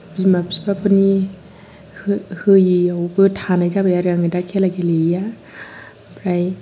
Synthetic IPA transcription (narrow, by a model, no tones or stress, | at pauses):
b̥imapsibapʰɯni | hɯjiawbɯtʰanajzabajaɾaŋɯjdakʰelaɡeleja | pɾaj